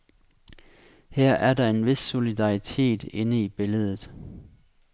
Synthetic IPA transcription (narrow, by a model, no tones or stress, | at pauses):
hæɐ̰ʔæɐd̥ɑ̈e̝nʋe̝sːo̝lidɑ̈ʁit͡sʰe̝̰ːd̥e̝nəib̥e̝ləð̞ˠð̩ˠ